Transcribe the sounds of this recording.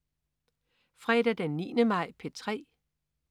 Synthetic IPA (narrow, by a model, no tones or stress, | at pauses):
fʁɛd̥æd̥enːḭːnəmɑ̈ɪ̰pʰe̝t͡sʰʁɛ̰ː